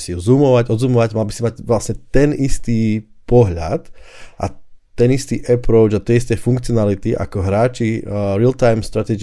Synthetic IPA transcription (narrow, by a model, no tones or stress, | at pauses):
siuzuːmɔʋaɟɔd̪zuːmɔʋaɟmalbisimacʋlasɲɛt̪ɛnist̪iː | pɔɦʎa̰t̪ʔa̰t̪ɛnist̪iːʔɛpɾɔʊd͡ʒat̪jɛist̪ɛjfuŋkt͡siɔnalit̪iʔa̰kɔɦɾaːt͡ʃiɾilt̪ajmst̪ɾat̪ɛɡ